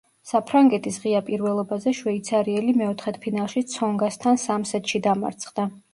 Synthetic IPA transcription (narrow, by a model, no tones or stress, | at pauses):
sapʰɾaŋɡɛt̪ʰʼisʁiapʼiɾvɛlˠɔbazɛʃvɛit̪sʰaɾiɛlimɛɔt̪ʰχɛt̪ʰpʰinalˠʃit̪sʰɔŋɡast̪ʰansamsɛt̪ʃid̪ama̰ɾt̪sʰχd̪a